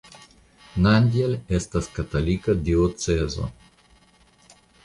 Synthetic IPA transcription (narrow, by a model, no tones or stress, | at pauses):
nanʲd̪ʲjɛlʲɛst̪askat̪alʲikad̪iot̪sɛzo̰